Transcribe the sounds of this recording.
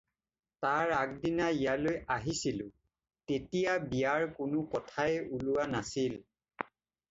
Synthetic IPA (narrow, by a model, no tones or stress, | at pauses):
taɹak̚dinaijalojaɦisilʊ̃ | tetijabijaɹkʊnʊkɔtʰaɛulʊwanasil